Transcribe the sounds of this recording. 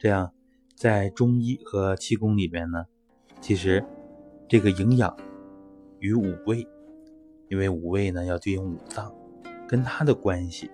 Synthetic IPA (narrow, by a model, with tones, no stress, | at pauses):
ʈ͡ʂɤ˥˧jɑ˥˩ŋ | t͡sa˥˩ɪʈ͡ʂʊ˥ŋi˥˩xɤ˧˥t͡ɕʰi˥˩kʊ˥ŋli˨˩mjɛ˥nnə˩ | t͡ɕʰi˧˥ʂɻ̩˧˥ʈ͡ʂɤ˥˩ɡə˩i˧˥ŋjɑ̰˨˩˦ŋ | y˧˥u˨˩we˥˩ɪ | i˥nwe˥˩ɪu˨˩we˥˩ɪnə˩jɑ˥˧ʊt̪i˥˧˩jʊ˥˩ŋu˨˩t͡sɑ˥˩ŋ | kə˥nt̪ʰa˥d̪ə˨kwa˥nɕi˨˩